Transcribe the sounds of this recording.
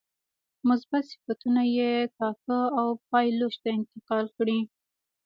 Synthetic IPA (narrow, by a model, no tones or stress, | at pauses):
mʊzbat̪sɪ̥fat̪unajekɑkəawpɑjloʃt̪aɪnt̪ɪqɑlkɽi